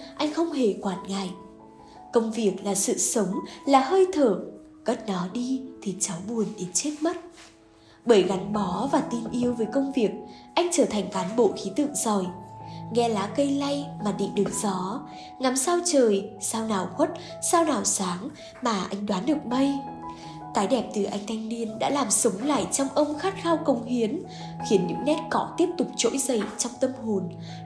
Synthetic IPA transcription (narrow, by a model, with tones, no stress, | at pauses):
ʔa˧jŋ̟xə˧wŋ͡mhe˧˩kwaː˨˩n̚ŋa˨˩j | kə˧wŋ͡mvi˨˩ək̚laː˨˩sɨ̰˧˨sə˨˦wŋ͡mlaː˨˩həː˧jt̪ʰəː˧˩ | ɣə˦˥t̚nɔ˨˦ɗi˧t̪ʰi˨˩t͡ɕa˨˦wɓu˨˩ənɗe˨˦nt͡ɕe˦˥t̚mə˦˥t̚ | ɓəː˧˩jɣa˨˦ŋɓɔ˨˦vaː˨˩t̪i˧nʔi˧əwvəː˨˦jkə˧wŋ͡mvi˨˩ək̚ʔa˧jŋ̟t͡ɕəː˧˩t̪ʰa˨˩jŋ̟kaː˨˦nɓo̰˧˨xi˨˦t̪ɨ̰˧˨əŋzɔ˨˩jŋɛ˧laː˨˦kə˧jla˧jmaː˨˩ɗḭ˧˨ɗɨ˨˩ək̚z̥ɔ˨˦ | ŋa˨˦msaː˧wt͡ɕəː˨˩jsaː˧wnaː˨˩wxwə˦˥t̚ | saː˧wnaː˨˩wsaː˨˦ŋ | maː˨˩ʔa˧jŋ̟ɗwaː˨˦nɗɨ˨˩ək̚mə˧j | t̪aː˨˦jɗɛ˨˩p̚t̪ɨ˨˩ʔa˧jŋt̪ʰa˧jŋ̟ni˧ənɗa̰ː˧˥laː˨˩msə˨˦wŋ͡mla̰ː˧˨jt͡ɕɔ˧wŋ͡mʔə˧wŋ͡mxaː˦˥t̚xaː˧wkə˧˩wŋ͡mhi˨˦ən | xi˨˦ənɲɨ̰˧˥ŋnɛ˦˥t̚kɔ˧˩t̪i˦˥əp̚t̪ʊ˨˩k͡p̚t͡ɕo̰˧˥jzə˨˩jt͡ɕɔ˧wŋ͡mt̪ə˧mɦo˨˩n